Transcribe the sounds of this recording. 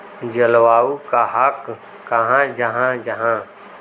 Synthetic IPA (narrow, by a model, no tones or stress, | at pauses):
d͡ʒɐlwaːukaɦɐkː | ɐɦãd͡ʒɐɦãd͡ʒɐɦã